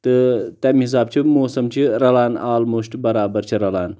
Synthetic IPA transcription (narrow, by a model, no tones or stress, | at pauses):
t̪ɨt̪amʲɦis̬aːb̚t͡ʃʰimoːsɐmt͡ɕʰiɾɐlaːnaːlmoːʂʈbɐɾaːbɐɾt͡ʃʰiɾɐlaːn